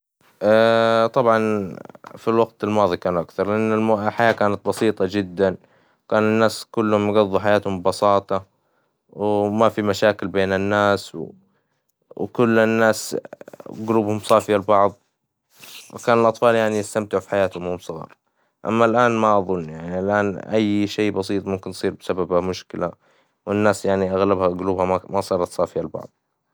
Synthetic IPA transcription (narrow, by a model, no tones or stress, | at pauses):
ʔat̪ˤɑbʕɑn | filwaɡt̪ɪlmɑːðˤikaːnuʔakθɑɾˤlɪʔanːɪlmħajaːkaːnat̪̚bɑsiːt̪ˤɑd͡ʒɪd̪ːan | kaːnɪnːaːskʊlːhʊmjɡɑðˤːuħajaːt̪hʊmbbɑsɑːt̪ˤɑ | wmafimaʃaːkɪlbeːnɪnːaːsw | wkʊlːnːaːs | ɡluːbhʊmsˤɑːfɪjalbɑʕðˤ | wɪ̰kaːnɪlʔɑt̪ˤfɑːljaʕnijɪst̪amt̪ɪʕfi̥ħajaːt̪hʊmhʊmsˤɨɣḭːɾˤ | ʔa̰mːalʔaːnmaʔɑðˤʊnːjaʕnialʔaːnʔajːʃeːbɑs̬iːt̪ˤmʊmkɪnsˤiːɾbɪsababamʊʃkɪla | wɪnːaːsjaʕniʔaɣlabhaɡʊluːbhamasˤɑːɾˤɑt̪sˤɑːfɪjalbɑ̰ʕðˤ